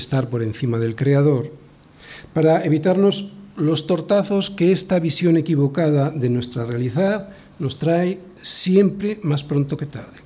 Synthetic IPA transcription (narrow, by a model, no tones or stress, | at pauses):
est̪aɾpo̞ɾẽ̞n̟θimað̞e̞lkɾeaðo̞ɾ | paɾaeβ̞it̪aɾno̞zlo̞st̪o̞ɾt̪aθo̞skeest̪aβisjo̞ne̞kiβ̞o̞kað̞aðe̞nwe̞st̪ɾarealiθað | no̞st̪ɾaj | sje̞mpɾemaspɾont̪oke̞t̪aɾðe